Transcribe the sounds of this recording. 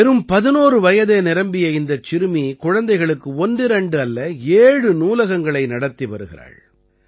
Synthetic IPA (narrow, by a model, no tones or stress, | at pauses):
ɛɾɯmpɐðɪnoːɾɯʋɐjɐðeːnɪɾɐmbɪjɐɪnd̪ɐt͡ʃːɪɾɯmikʊɻɐnd̪ɐɪɣɐɭɯkːɯɔnɖɪɾɛɳɖɯɐlːɐeːɻɯnuːlɐɣɐŋɡɐɭɐɪnɐɽɐt̪ːiʋɐ̰ɾɯɣɪɾa̰ːɻ